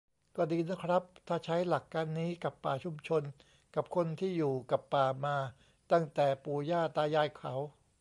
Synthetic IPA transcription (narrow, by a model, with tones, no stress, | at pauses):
kɔː˥˩diː˧na˦˥kʰɾa˦˥p̚t̪ʰaː˥˩t͡ɕʰa˦˥jla˨˩kːaː˧nːiː˦˥ka˨˩pːaː˨˩t͡ɕʰu˧mt͡ɕʰo˧n | ka˨˩p̚kʰo˧nt̪ʰiː˥˩juː˨˩ka˨˩pːaː˨˩maː˧ | t̪a˥˩ŋt̪ɛː˨˩puː˧jaː˥˩t̪aː˧jaː˧jkʰa˩˦w